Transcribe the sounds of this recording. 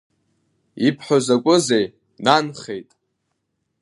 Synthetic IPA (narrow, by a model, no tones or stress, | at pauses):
ipʰħozakʷʼʊze̞j | nanχe̞jtʼ